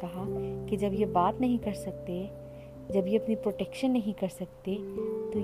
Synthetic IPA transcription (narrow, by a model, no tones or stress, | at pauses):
kɐɦaked͡ʒɐbjebaːt̪nɐɦĩkɐɾsɐk̚t̪e | d͡ʒɐbjeɐpnipɾoːʈɛːkʃənːɐɦĩkɐɾsɐk̚t̪et̪o